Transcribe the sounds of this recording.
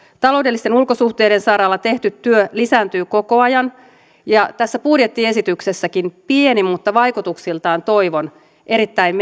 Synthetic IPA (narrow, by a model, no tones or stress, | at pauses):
t̪ɑloudelːist̪enulkosuht̪eːdensɑɾɑlːɑt̪e̞ht̪yt̪tːyølisæːnt̪yːko̞ko̞ɑjɑn | jɑt̪æsːæpudjet̪ːie̞sit̪yksesːækinpienimːut̪ːɑʋɑjkut̪uksilt̪ɑːnt̪o̞iʋon | ʔe̞ɾit̪ːæimm